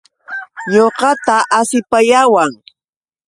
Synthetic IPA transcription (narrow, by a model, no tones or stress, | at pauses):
joqɑt̪aʔasɪpajawaŋ